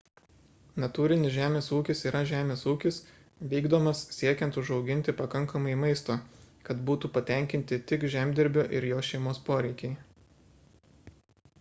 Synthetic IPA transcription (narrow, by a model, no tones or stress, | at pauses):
nɐt̪uːɾʲɪnʲɪsʒʲæːmʲeːsuːkʲɪsiːɾʔɐʒʲæːmʲeːsuːkʲɪs | ʋʲiːɡd̪oːmɐssʲiɛkʲɛ̃nt̪ʊʒɒʊɡʲɪnʲt̪ʲɪpɐkɐŋˑkɐmɐɪmɐɪst̪oː | kɐt̪buːt̪uːpɐt̪ʲɛˑŋʲkʲɪnʲt̪ʲɪt̪ʲɪkʒʲæːmʲd̪ʲɪɾʲbʲʊːʔɪɾjoːʃʲɛɪmoːspoːɾʲɛɪkʲɛɪ